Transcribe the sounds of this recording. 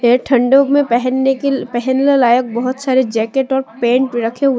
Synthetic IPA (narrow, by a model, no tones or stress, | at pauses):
eʈʰɐ̃ɳɖomẽɛɦnpɛɦɛnlelaːjək̚bɐɦʊt̪saːɾed͡ʒɛːkeʈɔːɾpẽːɳʈmẽɾɐkʰeɦʊ